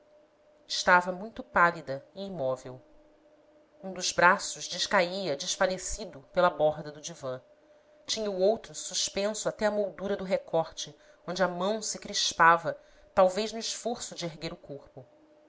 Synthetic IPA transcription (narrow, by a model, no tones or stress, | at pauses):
ɪʃt̪avɐmũj̃t̪ʊpalid̪ɐɪːmɔvew | ũd̪ʊzbɾasʊʒd͡ʒɪʃkaiɐd͡ʒɪʃfalesid̪ʊpelɐbɔɦd̪ɐd̪ʊd͡ʒivɐ̃ | t͡ʃĩɲɐuowt̪ɾʊsuʃpẽsʊat̪ɛɐmowd̪uɾɐd̪ʊɦekʰɔχt͡ʃɪ | õnd͡ʒɪɐmɐ̃w̃sɪkɾiʃpavɐ | t̪awvejʒnʊiʃfoɾsʊd͡ʒɪeɦɡeɾʊkoχpʊ